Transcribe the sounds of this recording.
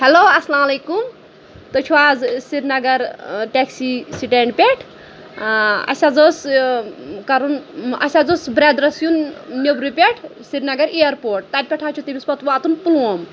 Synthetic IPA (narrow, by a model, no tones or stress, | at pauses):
heloːɐslaːmɐleːkum | t̪ot͡ʃʰuaːzsiɾnɐɡɐɾʈeksisiʈeɳɖpʲeʈʰ | ɐ̰sʲazos | kɐɾunɐ̰sʲazosbɾeːd̪ɾɐsjunnobɾipʲeʈʰsiɾnɐɡɐɾejɐɾpoːɾʈ̚t̪at̪̚ʲpʲeʈʰaːt͡ʃʰut̪ibʲispɐt̪ʋaːt̪unpuluom